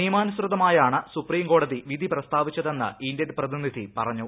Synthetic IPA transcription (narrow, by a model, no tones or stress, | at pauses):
ijmaːnɐsrɨðɐmaːjaːɳɨsupriːmɡo̞ːɽɐðiʋid̪ʱiprɐst̪ʰaːʋit͡ɕːɐðe̞nːɐ̰indedprɐðinid̪ʱḭpɐrɐɲːu